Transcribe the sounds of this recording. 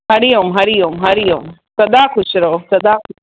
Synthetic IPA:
ɦɐɾijoːmɦɐɾijoːmɦɐɾijoːmsɐd̪aːkʰʊʃɾɐɦosɐd̪aːkʰʊ

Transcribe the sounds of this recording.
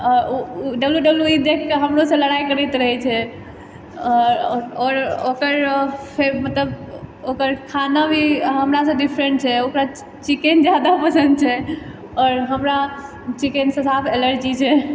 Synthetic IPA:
ɔɾɖəbljuɖəbljuid̪ekʰkeɦəmɾosə̃ləɽajkəɾɛjt̪ɾəɦɛt͡ʃʰɛ | ɔɾɔɾɔɾokəɾpʰeɾmət̪ləbokəɾkʰanabʱiɦəmɾas̬ə̃ɖipʰɾẽɳʈt͡ʃʰɛokɾa | t͡ʃikend͡ʒjad̪apəsənd̪̚t͡ʃʰɛ | ɔɾɦəmɾa | t͡ʃikensə̃sapʰeləɾd͡ʒit͡ʃʰɛ

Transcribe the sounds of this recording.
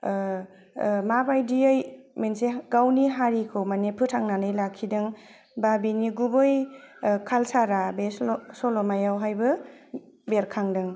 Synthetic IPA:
mabajdiajmenseɡawniɦaɾikʰɯwmanepʰɯtʰaŋnanɯjlakʰːidɯŋ | babiniɡubɯjkʰalsaɾabessɔlɔmajawɦajbɯ | beɾkʰaŋdɯŋ

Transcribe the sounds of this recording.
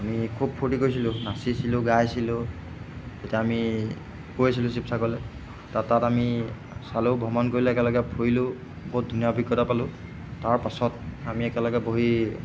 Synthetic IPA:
amikʰub̚pʰuʈikojs̬ilʊ̃nasisilʊ̃ɡajsilʊ̃ | etiaami | kojasilʊ̃s̬ip̚sʰakɔlɛ | tatːatami | salobʱɔmɔnkoɹilɛɛkɛlɔɡɛpʰojlʊ | bɔɦut̚dʱunijabʱikːɔtapalʊ̃ | taɹpasɔt̚amiɛkɛlɔɡɛboɦi

